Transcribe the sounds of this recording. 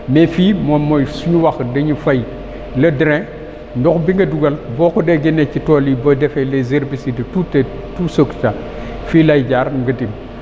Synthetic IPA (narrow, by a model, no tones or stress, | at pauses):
mefimomojsuɲuwakdeɲifaj | lɐdɾẽ | ndokbiŋɡɐduɡalbokudeɡenekitolibodefelezeɾbisidtute | tusokt͡ʃa | filajɟaɾɡɐdim